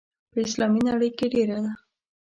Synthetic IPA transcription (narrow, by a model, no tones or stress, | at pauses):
pəɪslɑminaɽəjkeɖeɾad̪a